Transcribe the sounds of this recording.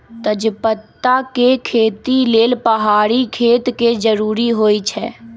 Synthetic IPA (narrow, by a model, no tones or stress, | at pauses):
t̪əd͡ʒpət̪ːakekʰeːt̪ileːlpəɦaːɾikʰeːt̪ked͡ʒəɾuːɾiɦoːit͡ʃʰɛː